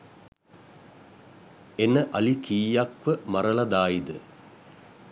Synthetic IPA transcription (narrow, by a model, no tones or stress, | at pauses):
enːəʔɐlikiːjakʋəmɐɾɐlɐd̪aːid̪ə